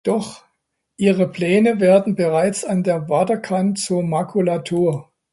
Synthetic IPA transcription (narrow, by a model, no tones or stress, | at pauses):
d̥ɔχ | ʔiːʁəpl̥ɛːnəveːɐdn̩bəʁaɪt͡sandeːɐvaɐdɐkʰantt͡suːɐmakʰulatʰuːɐ